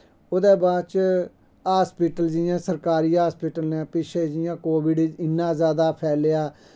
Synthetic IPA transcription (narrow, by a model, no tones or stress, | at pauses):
oːd̪eːbaːt͡ʃ | aːspɪʈəld͡ʒɪjãːsəɾkaːɾiːɦaːspɪːʈəlnɛ̃ːpɪʃʰeːd͡ʒɪjãːkoːʋɪɖɪnːãːzjaːd̪aːpʰɛːleːaː